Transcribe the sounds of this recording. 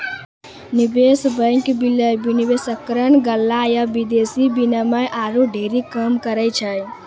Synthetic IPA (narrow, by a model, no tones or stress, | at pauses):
nibesbə̃ɪŋkbiləjbinibesəkɾənɡəlːajabid̪esibinaməʔaɾuɖʱeɾikəmkəɾəjt͡ʃʰəj